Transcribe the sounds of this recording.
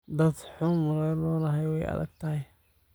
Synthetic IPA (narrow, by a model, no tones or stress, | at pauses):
d̪ɐd̪ħʊmʊɾɛlɔːnɐɦɛjwɛjɐ̰ðɐ̰ɡt̪ʰɐhɛj